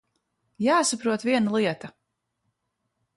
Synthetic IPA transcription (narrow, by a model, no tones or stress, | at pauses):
jaːsapɾuɔt̪viɛnalˠiɛt̪a